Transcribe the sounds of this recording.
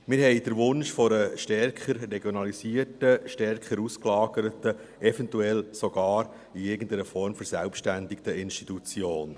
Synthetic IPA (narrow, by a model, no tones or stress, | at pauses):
mɪːɾhɦɛɪd̥əɾʋʊnʃfɔɾəʃtɛrkχəɾreɡjɔnɑlisiətəʃtɛrkχəɾusklɑːɡəɾətə | ʔɛvɛntuɛlsoɡ̥ɑːɾ | iɪɾɡən̩təɾəfɔɾmfəɾsælpʃtændikt̪əɪnʃtitut͡sjoːn